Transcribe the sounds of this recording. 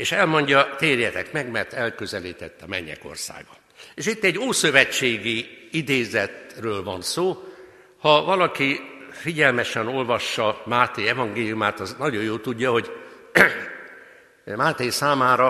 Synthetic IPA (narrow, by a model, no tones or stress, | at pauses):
eːʃɛlmo̞ɲɟɒt̪eːrjɛt̪ɛkmɛɡmɛrt̪ɛlkøzɛliːt̪ɛt̪ːɒmɛ̰ɲːɛ̰ko̞̰rsa̰ːɡbɒ̰ | eːʃit̪ːɛɟːoːsø̞vɛt͡ʃːeːɡiid̪eːzɛt̪røːlvɒnsoː | hɒvɒlɒkifiɟɛlmɛʃɛno̞lvɒʃːɒmaːt̪eːjɛvɒŋɡeːlijumaːt̪ɒznɒɟo̞joːlt̪uɟːɒɦo̞ɟ | maːt̪eːjsaːmaːɾɒ